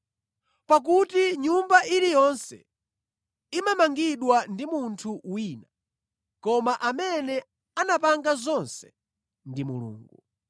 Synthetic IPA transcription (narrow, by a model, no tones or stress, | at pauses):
pak̬utiɲumbaʔilijɔnsɛ̰ | imamaŋɡiɗwandimuntʰuwiːna | kɔmaʔamɛnɛ | anapaŋɡazɔnsɛ̥ | ndimṵlṵːŋɡu